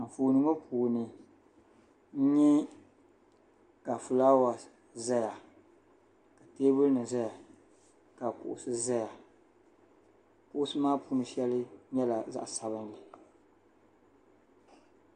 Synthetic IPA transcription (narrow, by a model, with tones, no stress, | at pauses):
m̩˨foː˨nɨ˨ŋɔ˦pʰuː˨nɨ˨ | n̩˦ɲɛ˦ | ka˨fu˨la˦wa˨ | za˦ja˨ | ka˨teː˦bʊ˦lnɨ˨za˦ja˨ | ka˨kʊ̰˨ʔʊ̰˨sɨ˦za˦ja˨ | kʊ˦ʔʊ˦sɨ˦maː˦pu˦nɨ˨ʃɛ˦lɨ˦ɲɛ˦la˨za̰˦ʔsa˨βɨ˦nlɨ˨